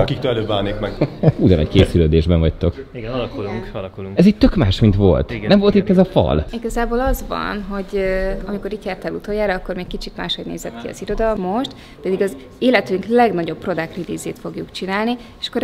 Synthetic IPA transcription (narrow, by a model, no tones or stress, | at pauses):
ɒkikt̪ølɛløːbːaːnːikmɛɡuɟɒ̰nɒ̰ckeːsyløːd̪eːʒbɛɱvɒct̪o̞kiɡɛnlkuluŋkɒlkuluŋɛziːɟ̚t̪økmaːʃmint̪ʋo̞̰lt̪ɡnɛmvo̞lt̪it̪ːɛzɒfɒ̰liɡɒzaːboːlɒzvɒ̰nɦo̞ɟøɒmiko̞ɾiːt̪jaːrt̪ɛlut̪ojːaːɾɒɒkːormɛk̚kit͡ʃit̪maːʃho̞̰ɟneːzɛt̪kiɒ̰ziɾo̞d̪ɒmːo̞ʃt̪ | pɛd̪iɡɒz | eːlɛt̪yŋklɛɡnɒɟo̞pːro̞d̪akrid̪iːzeːt̪fo̞ɡjukt͡ʃinaːlni | eʃɒ̥kːoɾ